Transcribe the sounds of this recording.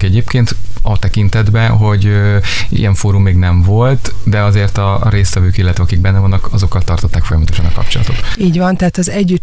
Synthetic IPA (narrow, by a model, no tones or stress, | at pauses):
kɛɟeːpkeːnt̪ɒt̪ɛkint̪ɛd̪bɛɦo̞ɟø | ḭjɛɱfoːɾumːeːɡnɛɱvo̞lt̪d̪ɛɒzeːrt̪ɒɾeːst̪vɛvøːkilːɛt̪vɛɒkiɡ̚bɛnːɛvɒnːɒkɒzo̞kːɒlt̪ɒrt̪ʰot̪ːaːkfojɒmɒt̪o̞ʃɒnɒkɒ̰pt͡ʃo̞lɒ̰t̪o̞t̪iːɟvɒnt̪ɛɦaːt̪ɒzɛɟːy